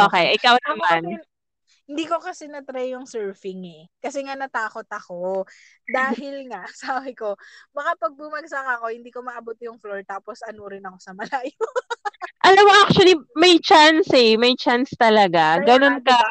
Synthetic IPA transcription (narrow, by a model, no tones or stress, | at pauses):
ʔoːkɛjʔɪkawnɐman | hɪnd̪iːko̞kɐsɛnɐt̪ɾajːʊŋsɛɹfɪŋɛkɐsɛŋanɐt̪aːko̞t̪ɐko | d̪aːhɪlŋaʔsaːbɪko̞bɐkapɐɡ̚bumɐɡsɐkɐko̞hɪnd̪iːko̞mɐʔɐbut̪jʊŋfloɹt̪aːposʔɐnoɾɪnɐko̞sɐmɐlajo | ʔɐlɐwɐʔak̚t͡ʃwɐlimɐjt͡ʃansɛmɐjt͡ʃanst̪ɐlɐɡaɡɐno̞nkɐ